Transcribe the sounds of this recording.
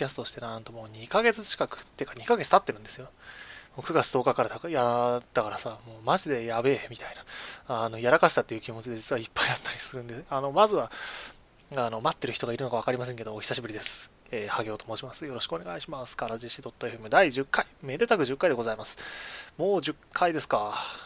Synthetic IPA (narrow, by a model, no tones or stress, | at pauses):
kʲast̪ot̪oɕi̥t̪e̞nãnt̪o̞mo̞ːɲ̟ikaɡe̞t͡sɨ̥t͡ɕi̥kakɯ̟̥t̪ːekaɲ̟ikaɡet͡sɨ̥t̪at̪ːe̞ɾɯ̟̃nd̪e̞sɨjo̞moːkɯ̟ɡat͡sɨd̪o̞ːkakaɾat̪akjat̪ːakaɾasamoːmaʑid̪e̞jabe̞mʲit̪ainaano̞jaɾakaɕi̥t̪at̪ːe̞iɯ̟kʲimo̞t͡ɕid̪e̞d͡ʑit͡sɨβaipːaiat̪ʰːaɾʲisɨɾɯ̟̃nd̪eano̞mazɨβa | ano̞mat̪ːe̞ɾɯ̟çi̥t̪o̞ɡaiɾɯnokaβakaɾimas̬ẽ̞ŋke̞d̪oːçʲi̥saɕibɯ̟ɾʲid̪esɨ̥ | eːhaɡʲe̞ːt̪o̞mo̞ːɕimasɨjo̞ɾo̞ɕi̥kɯone̞ɡaiɕimasɨ̥kaɾaʑiɕid̪o̞t̪ːo̞e̞ɸɯemɯ̟d̪aiʑɨkːaime̞d̪e̞t̪akɯ̟ʑɨkːaid̪eɡo̞zaimasɨ̥mo̞ːʑɨkʰːaid̪e̞sɨ̥ka